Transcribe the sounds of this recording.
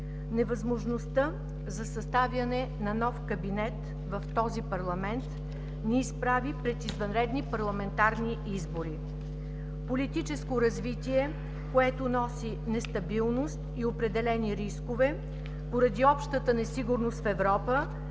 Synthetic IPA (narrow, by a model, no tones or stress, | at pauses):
nɛvɐzmoʒnost̪ə | zɐsɐst̪avʲjɐnɛnɐnɔfkɐbinɛt̪ | vɐft̪ɔzipɐɾlˠɐmɛnt̪ | niːspɾavipɾɛt̪izvɐnɾɛd̪nipɐɾlˠɐmɛnt̪aɾni | izboɾi | polit̪it͡ʃɛskoɾɐzvit̪ʲiɛ | koɛt̪onɔsi | nɛst̪ɐbilˠnost̪iopɾɛd̪ɛlɛniɾiskovɛ | poɾɐd̪iɔpʃt̪ət̪ənɛsiɡʊɾnost̪fɛvɾɔpə